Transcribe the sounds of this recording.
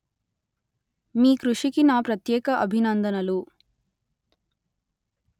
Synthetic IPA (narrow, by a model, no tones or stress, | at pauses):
miːkɾuʂikinaːpɾɐt̪jɛːkɐʔɐbʱinɐnd̪ɐnɐlu